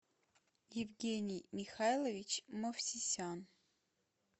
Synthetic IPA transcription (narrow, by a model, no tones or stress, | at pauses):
jɪvɡʲenʲɪjmʲixajlˠəvʲit͡ɕmofsʲisʲan